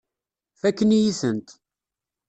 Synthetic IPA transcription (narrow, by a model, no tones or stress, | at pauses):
fækːənjiθənt̪